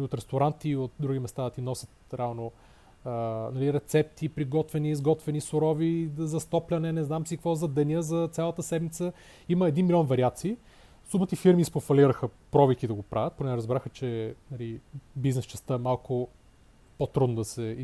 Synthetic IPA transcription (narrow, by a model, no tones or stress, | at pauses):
liot̪ɾɛst̪oɾant̪iot̪̚d̪ɾuɡimɛst̪ad̪ɐt̪inɔsʲət̪̚ɾɛalˠno | nɐliɾɛt̪sɛp̚t̪ʰipɾiɡɔt̪vɛniːzɡɔt̪vɛnisʊɾɔvizzɐst̪ɔplʲɐnɛnɛznamsikvɔzɐd̪ɛnʲjəzɐt̪sʲjalˠɐt̪əsɛd̪mit̪sə | iməɛd̪inmilʲɔnvɐɾiat̪siː | sumət̪ifiɾmispofɐliɾəxəpɾɔvikid̪ɐɡopɾʔavʲɐt̪̚ponɛɾəzbɾaxət͡ʃɛnɐlibiznɛst͡ʃɛst̪əɛmalˠkʊ | pot̪ɾud̪nod̪ɐsɛ